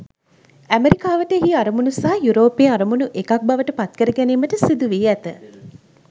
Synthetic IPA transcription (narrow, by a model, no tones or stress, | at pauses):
æmeɾikaːʋəʈəeɦiaɾəmunusaɦːjuɾoːpeːaɾəmunuʔekɐk̚baʋəʈəpat̪̚kəɾəɡæniːməʈəsid̪uʋiːæt̪ə